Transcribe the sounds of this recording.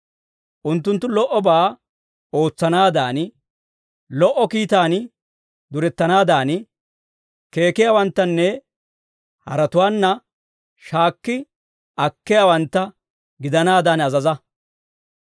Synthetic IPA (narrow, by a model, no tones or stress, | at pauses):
ʔʊnt̪ːʊnt̪ːʊlɔʔɔbaː | o̞ːt͡sːɐnaːd̪aːn | lɔʔɔkiːt̪aːn | d̪ʊɾɛt̪ːɐnaːd̪aːn | ke̞ːkɪjaːwɐnt̪ːɐnːɛ | hɐ̰ɾɐt̪ʊwaːnːɐ | ʃaːkːɪ | ɐkːɪjawɐnt̪ːɐ | ɡɪd̪ɐnaːd̪aːnɐzɐzɐ